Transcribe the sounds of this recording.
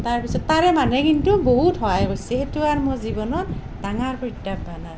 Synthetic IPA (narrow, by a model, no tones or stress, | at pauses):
taɹpisɔtːaɹɛmanɛkintuboɦutɦɔajbojsɛxetuaɹmʊzibɔnɔt | d̥aŋaɹpɔjtːabanaj